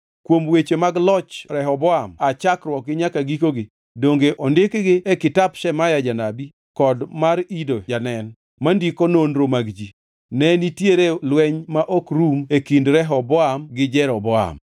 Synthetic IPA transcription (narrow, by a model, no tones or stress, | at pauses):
kwomwet͡ʃemaɡlɔt͡ʃɾɛɦɔbɔamat͡ʃakɾwɔk̚ɡɪɲakaɡikoɡɪ | doŋɡeʔɔndɪkɡɪɛkɪtapʃɛmajad͡ʒanabi | kɔdmaɾidod͡ʒanɛn | mandikononɾomaɡd͡ʒi | nɛnitjeɾelwɛɲmaʔokɾumekindɾɛɦɔbɔamɡɪd͡ʒɛɾɔbɔa̰m